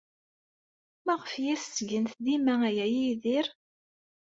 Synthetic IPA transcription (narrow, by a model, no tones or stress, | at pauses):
mæʁəfjæssɡənθd̪imææjæjiðɪɾ